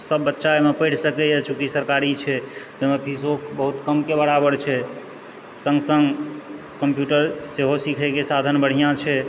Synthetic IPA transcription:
səbːətːʃaemepəɪʈʰsəkɛjat͡ʃʰukisəɾkaɾit͡ʃʰɛt̪oɦmepʰisobəɦut̪kəmkebəɽabəɽt͡ʃʰɛ | sə̃ŋɡsəŋɡ | kəmpjuʈəɾseɦosikʰəkesad̪ʱənbəɽ̤ijãt͡ʃʰɛ

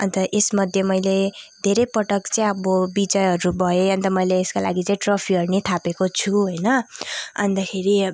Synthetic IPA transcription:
ʌ̰nt̪ʌʔesmʌd̪ʱjemʌjled̪ʱeɾejpʌʈʌkt͡sʌĩʌbobid͡zʌjɦʌɾubʱʌeʌnt̪ʌmʌjleːskala̰ɡit͡saĩʈropʰiɦʌrnet̪ʰapekot͡sʰuɦojnʌʌ̰nd̪ʌkʰeɾi

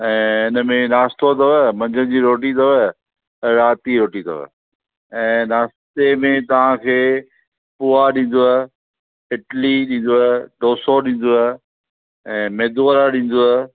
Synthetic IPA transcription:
ɛ̃ːɪnə̆mẽnaːst̪ot̪ɐʋəmɐ̃ɲd͡ʑə̃d͡ʑiːɾoːʈit̪ʰɐʋə̃ | ɾaːt̪iɾoːʈit̪ʰɐ̰ʋə̰ | ɛ̃ːnaːst̪emẽt̪ɐʋ̤ãkʰeː | puːaɗĩːn̆d̪oa | ɪʈliɗĩːn̆d̪oaɖoːsoɗĩːn̆d̪oa | ɛ̃ːmeːd̪oɾaɗĩːn̆d̪oa

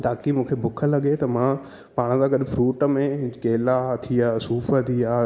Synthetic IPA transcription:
t̪aːkimũːkʰebʊkʰəlɐɠet̪ɐmã | paːɽ̃t̪ãɡɐɗfɾuːʈə̆mẽkeːlat̪ʰijaːsuːfət̪ʰijaː

